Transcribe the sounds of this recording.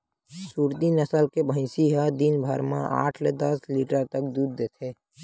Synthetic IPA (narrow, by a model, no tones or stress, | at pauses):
suːɾt̪inəsəlkebʱə̃ɪsiɦad̪inbʱəɾmã̰ʔa̰ːʈʰled̪ɐsliːʈəɾt̪ək̚d̪uːd̪̚ːeːt̪ʰe